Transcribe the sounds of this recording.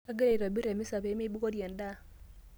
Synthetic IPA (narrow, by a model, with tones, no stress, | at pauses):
a˦ɡe˦le˨i˨ɾa˨bi˦ɾe˨mi˦sa˨be˨˦me˦bu˦ko˦dje˨nda˦˨